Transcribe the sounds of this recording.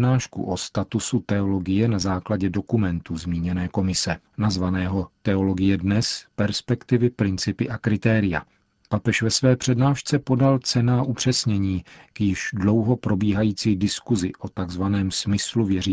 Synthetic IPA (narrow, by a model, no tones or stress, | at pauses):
naːʃkṵʔost̪at̪usut̪ɛo̞lo̞ɡɪjɛnazaːklaɟɛdo̞kumɛnt̪uzmiːɲɛnɛːko̞mɪsɛ | nazvanɛːɦo̞t̪ɛo̞lo̞ɡɪjɛdnɛspɛɾspɛkt̪ɪvɪpɾɪnt͡sɪpɪʔakɾɪt̪ɛːɾɪja̰ | papɛʃvɛsvɛːpr̝̥ɛdnaːʃt͡sɛpo̞dalt͡sɛnaːʔupr̝̥ɛsɲɛɲiːkjɪʃdlo̞wɦo̞pɾo̞biːɦajiːt͡siːdɪskuzɪʔo̞t̪aɡzvanɛːmsmɪsluvjɛɾiː